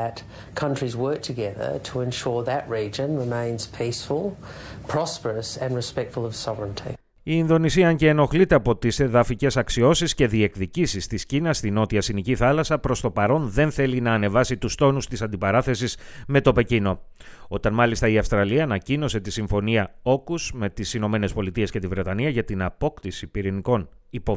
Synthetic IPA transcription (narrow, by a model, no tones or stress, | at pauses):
ɨt | kʰʌ̃nt͡ʃɹ̥izwɜ˞k̚tʰɨɡɛðə̰˞ɾʰəɪ̃nʃɔɹðɨʔɹid͡ʒɨ̃nɹɪmẽɪ̃nz̥pʰisfəlˠpʰɹ̥ɑspə˞əsɨ̃nɹɨspɛk̚tfəl̩ˠʌv̥sɑvɹə̃ntʰḭ | iːnðo̞nisiɐɐɲɟe̞ːno̞xlit̪e̞ɐpo̞t̪ise̞ðɐfice̞sɐksio̞sisce̞ðie̞kðicisist̪iscinɐst̪ino̞t̪iɐsiniciθɐlɐsɐpɾo̞st̪o̞pɐɾo̞nðe̞nθe̞linɐːne̞vɐsit̪ust̪o̞nust̪isɐnd̪ipɐɾɐθe̞sisme̞t̪o̞pe̞cino̞ | o̞t̪ɐnmɐlist̪ɐiɐfst̪ɾɐliɐːnɐcino̞se̞t̪isiɱfo̞niɐo̞kuzme̞t̪isino̞me̞ne̞spo̞lit̪ie̞sce̞t̪ivɾe̞t̪ɐniɐʝɐt̪inɐpo̞kt̪isipiɾiniko̞n | ipo